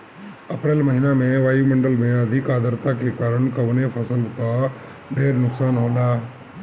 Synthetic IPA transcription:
ɐpɾeːlmɐɦɪnamẽʋaːjimẽɳɖəlmẽɐd̪ʱɪkaːd̪əɾt̪akekaːɾəɽ̃kɐʋnepʰɐsəlt̪a | ɖʱeːɾnʊksaːnɦoːlaː

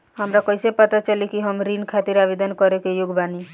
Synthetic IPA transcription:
ɦəmɾakɔjsepət̪at͡ʃəlikiɦəmɾinkʰat̪iɾabed̪ʱənkɔɾekejʊɡbani

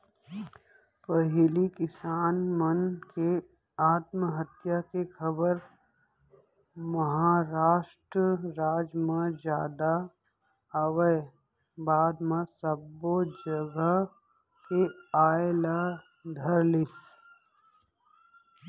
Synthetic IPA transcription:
pəɦlikɪsaːnmənke | aːt̪məɦət̪jakexəbəɾ | məɦaːɾaːʃʈɾəɾaːd͡ʒmẽd͡ʒjaːd̪a | əʋə | baːd̪mẽsəbod͡ʒəɡəɦ | keaːela | d̪ʱəɾlɪs

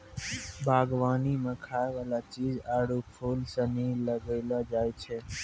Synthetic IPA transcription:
bʱaːɡʋaːnimãkʰaːeʋaːlat͡ʃiːd͡ʒaːɽupʰuːlsəniːləɡeːlad͡ʒaːjt͡ʃʰeː

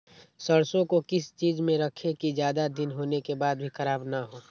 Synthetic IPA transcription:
səɽsõkokɪst͡ʃiːd͡ʒmẽɾəkʰekizjaːd̪ad̪ɪnɦoːnekebaːd̪̚bʱixɐɾaːbnaɦoː

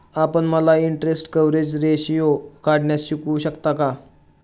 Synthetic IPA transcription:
apəɳməlaiɳʈɾesʈkəʋɾed͡ʑɾeɕijokaɽɳjasɕikuːɕəkt̪aka

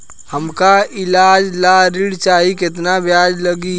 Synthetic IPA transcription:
hɐmkaɪlaːd͡ʒlaɾɪɽt͡ʃaːɦikɪt̪nabjaːd͡ʒlɐɡi

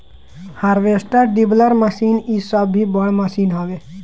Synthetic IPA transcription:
haːɾʋeːsʈəɖibləɾməsiːnisəbːibəɽmɐsiːnɦaːʋeː

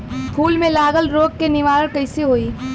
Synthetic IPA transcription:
pʰuːlmẽlaːɡəlɾoːɡ̚kenɪʋaːɾə̃ɽkɐɪseɦoːiː

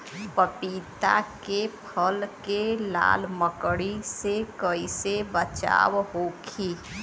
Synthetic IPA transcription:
pəpiːt̪a̰kepʰəlkela̰ːlməkɽisekəisebət͡ʃa̰ːwɦoːkʰi

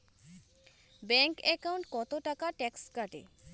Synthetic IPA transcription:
bɛŋkɛkawɳʈkɔt̪oʈakaʈɛkskaʈḛ

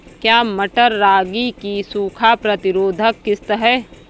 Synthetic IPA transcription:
kjaːməʈəɾːaːɡikisuːkʰapɾɐt̪ɪɾoːd̪ʱəkːɪst̪əɦɛː

